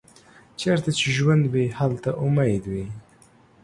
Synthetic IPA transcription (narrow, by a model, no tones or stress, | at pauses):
t͡ʃeɾt̪at͡ʃeʒwand̪behalt̪aʔʊmajd̪wi